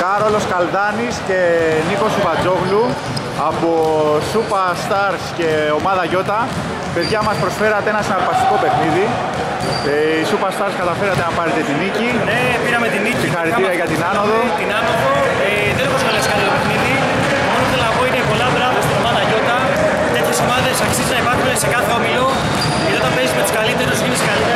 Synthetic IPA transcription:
kɐɾo̞lo̞skɐlðɐnisce̞niko̞supɐd͡zo̞ɣlu | ɐpo̞supɐst̪ɐɾsce̞o̞mɐðɐʝo̞t̪ɐ | pe̞ðʝɐmɐspɾo̞sfe̞ɾɐt̪eenɐsinɐɾpɐst̪i̥ko̞pe̞xniði | eisupɐst̪ɐɾskɐt̪ɐfe̞ɾɐt̪e̞nɐpɐɾet̪e̞t̪inicinepiɾɐmet̪inicsixɐɾitiɾiɐʝɐt̪inɐnoðot̪inɐnoðo | e | ðenoposfɐleskɐlit̪ope̞xniði | moɾod̪elnɐpo̞inepo̞lɐðɾɐvest̪ino̞mɐðɐʝo̞t̪ɐ | t̪eçesomɐðesɐksiznɐipɐɾxunese̞kɐθeomilo | eot̪ɐmpezumet̪u̥skalit̪eɾozminesekalit̪e

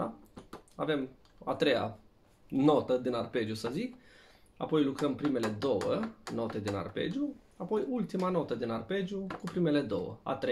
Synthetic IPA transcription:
ave̞m | a̰t̪ɾe̞ja̰ | no̞t̪əd̪inarpe̞d͡ʒjusəzik | apo̞jlukɾəmpɾime̞le̞d̪o̞wəno̞t̪e̞d̪ina̰rpe̞̰d͡ʒu | apo̞jult̪imano̞t̪əd̪inarpe̞d͡ʒjukupɾime̞le̞d̪o̞̰wə̰a̰t̪ɾe

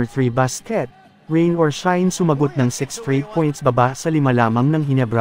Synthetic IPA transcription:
ɹθɹibaskɛt̪̚ | ɹẽjnɔɹʃajnsʊmɐɡot̪̚nɐŋsɪksfɹejt̪̚pʰɔjnt̪sbɐbasɐlɪmalaːmɐŋnɐŋɦɪnɛbɹa

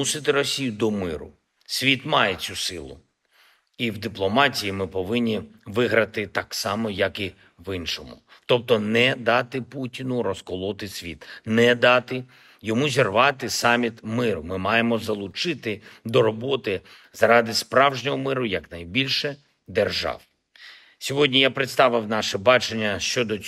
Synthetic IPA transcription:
usɪt̪ɪɾɔsʲijʊd̪ɔmɪɾʊ̰ | sʲʋʲit̪mɑjet͡sʲusɪlˠʊ̰ | iwd̪ɪplˠɔmɑtʲijimɪpɔʋɪnʲːiʋɪɦɾɐt̪ɪt̪ɑksɑmɔjɐki | ʋɪnʃɔmʊ̰ | t̪ɔp̚t̪ɔnɛd̪ɑt̪ɪputʲinʊɾɔskɔlˠɔt̪ɪsʲʋʲḭt̪nɛd̪ɑt̪ɪ | jɔmuzʲirʋɑt̪ɪsɑmʲit̪mɪɾʊmɪmɑjemɔzɐlˠʊt͡ʃɪt̪ɪd̪ɔɾɔbɔt̪ɪ | zɾɑd̪ɪspɾɑwʒnʲɔɦɔmɪɾʊjɐknɐjbʲilʲʃɛ | d̪erʒɑ̰w | sʲɔɦɔdʲnʲijapɾɪt̪st̪ɑʋɪwnɑʃɛbɑt͡ʃenʲːɐʃt͡ʃɔd̪ɔ

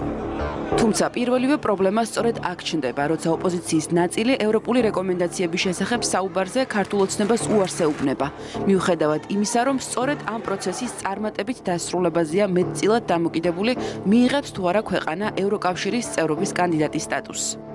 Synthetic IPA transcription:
t̪ʰumt̪sʰapʼiɾvɛlivɛpʼɾɔblɛmast̪sʼɔɾɛd̪akʰt͡ʃʰnd̪ɛbaɾɔt̪sʰaɔpʼɔzit̪sʰiːsnat̪sʼiliʔɛvɾɔpʼuliɾɛkʼɔmɛnd̪at̪sʰiɛbisʃɛsaχɛb̥saubaɾzɛkʰaɾt̪ʰulˠɔt̪sʰnɛbasuaɾsɛubnɛba | miuχɛd̪avad̪̥imisaɾɔmst̪sʼɔɾɛd̪ampʼɾɔt̪sʰɛsist̪sʼaɾmat̪ʼɛbit̪ʰd̪asɾulɛbazɛamɛt̪̚ʰʼt̪sʼilˠad̪̚ːamɔkʼid̪ɛbulimiːʁɛpst̪ʰuaɾakʰwɛqʼanaʔɛvɾɔkʼafʃiɾist̪sʼɛvɾɔbiskʼand̪id̪at̪ʼist̪ʼat̪ʼus

